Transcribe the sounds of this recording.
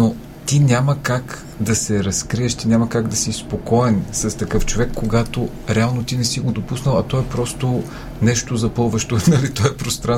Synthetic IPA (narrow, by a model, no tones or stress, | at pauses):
no | t̪inʲaməkak | d̪ɐsɛɾɐskɾiɛʃt̪inʲamɐkaɡd̪ɐsispokɔɛnsɐst̪ɐkɤft͡ʃovɛkːoɡat̪o | ɾɛalˠnot̪inɛsiɡod̪opusnəlˠɐt̪ɔɛpɾɔst̪o | nɛʃt̪ozɐpɤlˠvɐʃt̪onɐlit̪ɔɛpɾost̪ɾa